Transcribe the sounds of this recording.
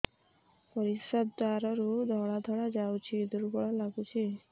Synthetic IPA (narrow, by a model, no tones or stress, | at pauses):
pəɾisəd̪d̪aɾəɾud̪ʱɔɭad̪ʱɔɭad͡ʑawt͡ɕid̪uɾbɔɭalaɡut͡ɕʰi